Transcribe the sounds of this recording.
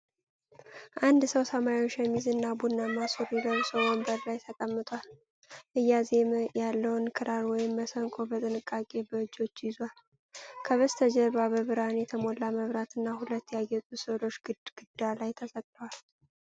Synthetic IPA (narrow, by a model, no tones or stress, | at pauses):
ʔand̪səwsəmaɾioʃjɛmːizɨnːabunːamasuɾiləβsəwəmbəɾlajt̪ʰəkʼəmːɨt̪ʼwal | ʔɨjːazeməjalːəwnkʰɨɾaɾwɔjɪmːəsəŋkʼo̞bət̪ʼɨnɨkʼːakʼe̞bəɨd͡ʒːo̞t͡ʃːjɪzwal | kʰəβəst̪ʰəd͡ʒɛβaβəβɨɾanjɛt̪ʰəmolːaməβɾat̪ɨnːahulət̪ːjajːɛt̪ʼusɨβlo̞t͡ʃːɡɨɡ̥ɨd̪alajt̪ʰəsʼəkʼnəwal